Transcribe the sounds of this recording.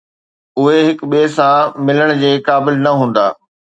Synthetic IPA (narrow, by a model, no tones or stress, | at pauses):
ʊɦeɦɪkɓieːsãmɪləɽ̃d͡ʑeːkaːbɪlnɐɦũːn̆d̪a̰ː